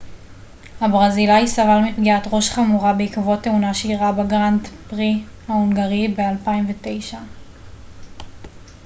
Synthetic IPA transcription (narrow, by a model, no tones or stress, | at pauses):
habʁazilajsavalmipɡiatʁo̞ʃχamuʁabeikvoteunaʃeiʁabaɡʁantpʁihauŋɡaʁibe̞alpaimvete̞jʃa